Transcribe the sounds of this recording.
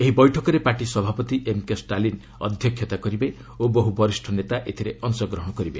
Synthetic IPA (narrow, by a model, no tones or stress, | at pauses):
eɦibɔjʈʰɔkɔɾepaʈisɔbʱapɔt̪iʔemkesʈalin | ɔ̰d̪ʱjɔkʰjɔt̪akɔɾibe | obɔɦubɔɾisʈʰɔnet̪aʔet̪ʰiɾeʔɔnsɔɡɾɔɦɔ̃ɽ̃ɔkɔɾibe